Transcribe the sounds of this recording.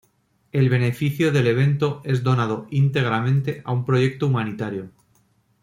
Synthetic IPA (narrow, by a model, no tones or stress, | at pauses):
e̞lβe̞ne̞fiθjoðe̞le̞β̞e̞nt̪o̞e̞zðo̞nað̞o̞int̪e̞ɣ̞ɾamẽ̞nt̪e̞ʔaumpɾo̞ʝe̞k̚t̪oumanit̪aɾjo̞